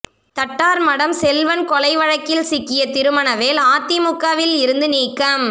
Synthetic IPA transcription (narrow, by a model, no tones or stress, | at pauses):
t̪ɐʈːaːɾmɐɽɐmsɛlʋɐnkɔlɐɪʋɐɻɐkːɪlsɪkːɪjɐt̪ɪɾɯmɐnɐʋeːlaːt̪ːɪmʊkːɐʋɪlɪɾɯnd̪ɯniːkːɐm